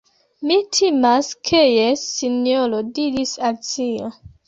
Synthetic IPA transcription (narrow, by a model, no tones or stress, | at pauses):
mitʰimaskʰejesinjolodiɾisaltio